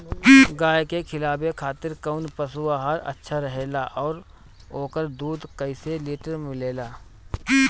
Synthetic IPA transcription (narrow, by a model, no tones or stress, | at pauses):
ɡaːjkekʰɪlaːbekʰaːt̪ɪɾkəʊnpəsuaɦaɾə̰tːʃʰaɾəɦeːlaʔɔːɾ | oːkəɾd̪uːd̪kəɪseliːʈəɾmɪleːlaː